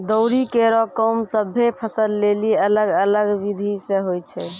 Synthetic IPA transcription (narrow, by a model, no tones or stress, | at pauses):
d̪ɔʊɾikeɾɔkəmsəbʱepʰəsəlːeliələɡələɡʋid̪ʱisẽɦojt͡ʃʰɛ